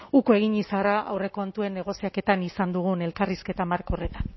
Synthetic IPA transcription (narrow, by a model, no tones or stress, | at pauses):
ukoe̞ɣ̞iɲisaraʔa̰wre̞ko̞nt̪ue̞nːe̞ɣ̞o̞siake̞t̪anisand̪uɣ̞une̞lkariske̞t̪amaɾkore̞t̪an